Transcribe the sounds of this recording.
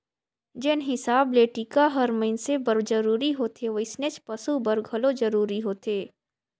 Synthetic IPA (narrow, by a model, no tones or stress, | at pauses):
d͡ʒɪnɦɪsaːbleːʈikaɦɐɾmɐɪnsebɐɾd͡ʒɐɾuːɾiɦoːt̪ʰeʋəɪsnet͡ʃpɐsubɐɾɡʱəlod͡ʒɐɾuːɾiɦoːt̪eː